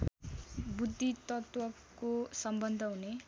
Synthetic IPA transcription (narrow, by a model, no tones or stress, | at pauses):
bud̪ʱːit̪ʌt̪wʌ | kosʌmbʌnd̪ʱʌɦune